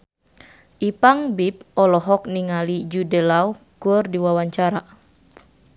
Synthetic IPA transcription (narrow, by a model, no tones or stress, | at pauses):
ʔipaŋbip̚ɔlɔɦɔk̚niŋalid͡ʒudəlau | kurdiwawaɲt͡ʃaɾa